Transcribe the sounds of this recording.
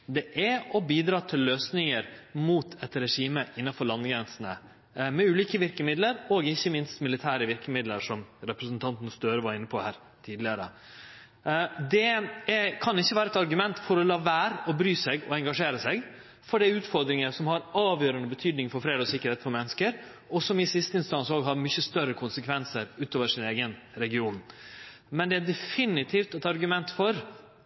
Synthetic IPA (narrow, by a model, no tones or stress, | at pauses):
d̪ɛʔæɔbiːd̪ɾɑːt̪ʰɪlːøːsnɪŋəɾmuːt̪ʰɛt̪ɾɛʂiːməʔɪnːɑfɔɭɑnɡɾɛnsən̩ə̰ | mɛʉːliːkəʋɪɾkəmɪd̪ləɾɔɡɪçːəmɪnst̪mɪlɪt̪ʰæːɾəʋɪɾkəmɪd̪ləɾʂɔmɾɛpɾəsnt̪ʰɑnt̪ənəst̪øːɾəʋɑɾɪnːəpʰɔhæːɾ | t̪ʰiːd̪lɪəɾə̰ | d̪ɛ | kʰɑnɪçːəʋæːɾəɛt̪ɑɾɡʉmɛnt̪fɔɾɔlɑːʋæːɾɔbɾyːsɛɡɔ̰ɛŋɡɑʂeːɾəsɛɡ | fɔɖɛæɾʉːt̪fɔɾd̪ɾɪŋəsɔmhɑɾɑːʋjøːɾənəbət̪ʰyːd̪nɪŋfɔɾfɾeːd̪ɔsɪkːəɾheːt̪fɔɾmɛnːəskəɾ | ɔsɔmɪsɪst̪əɪnst̪ɑnsoːɡɦɑɾmʏçəst̪œɾəkʰʊnsəkʰʋɛnsəɾʉːt̪oːʋəʂɪneːɡən | ɾɛɡɪuːn | mɛnd̪ɛæd̪ɛfɪnɪt̪ʰiːft̪ɛt̪ɑɾɡʉmɛnt̪fɔɾ